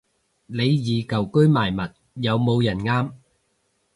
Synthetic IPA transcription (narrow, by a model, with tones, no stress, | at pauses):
le˨˧jjiː˨˧kɐ˨˩wkɵ˥ɥmaː˨˩jmɐ˨t̚ | jɐ˨˧wmo˨˧wjɐ˨˩nŋaː˥m